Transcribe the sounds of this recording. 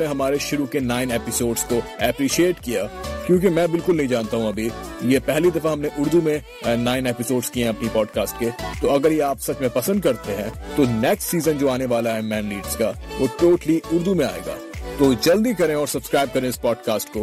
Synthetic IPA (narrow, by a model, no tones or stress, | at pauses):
neɦɐmaːɾeʃʊɾukenaːɪneːpɪsoːɖzkoɛpɾiːʃieːʈkijaːkjõːk̬imɛ̃ːbɪlkʊlnɐɦĩd͡ʒaːnt̪aɦũɐbʱijepɛɦlid̪ɐfaɦɐmneʔʊɾd̪umẽ | naːɪneːpɪsoːɖz̥kieɦɐpnipɔːɖkaːsʈ̚ket̪oɐɡəɾjeaːpsɐkʰmẽpɐsə̃nd̪kɐɾt̪eɦɛ̃t̪onɛksʈsiːzə̃nd͡ʒoːaːneʋaːlaɦɛmɛ̃ːnliːɖz̥kaʋoʈoːʈliʊɾd̪umẽa̰ːḛːɡa̰ːt̪oːd͡ʒɐld̪ikɐɾẽɔːɾsɐbskɾaːɪb̚kɐɾẽɪspɔːɖkaːsʈkoː